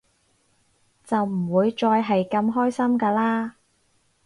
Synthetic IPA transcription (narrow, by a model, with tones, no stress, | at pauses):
t͡sɐ˨wm̩˨˩wuː˨˧jt͡sɔː˧jɦɐ˨jkɐ˧mɦɔː˥jsɐ˥mkaː˧laː˥